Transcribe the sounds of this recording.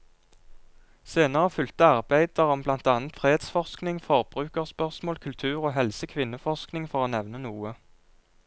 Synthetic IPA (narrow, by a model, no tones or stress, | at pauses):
seːnəʁəfʏlt̪əɑʁbæɪd̪əʁɔmblɑnt̪ɑːnt̪fʁeːeːd̪sfɔʁsknɪŋfɔʁbʁʉːkəʁspœʁsmoːlkʰʉlt̪ʰʉːʁoːɦɛlsəkʰʋɪnəfɔʁsknɪŋfɔʁoːnɛʋnənuːə